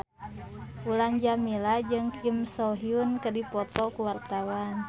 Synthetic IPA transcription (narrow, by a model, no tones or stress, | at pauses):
ulaŋd͡ʒamilad͡ʒɨŋkʰimsɔɦiunkədipɔt̪ɔkuwart̪awan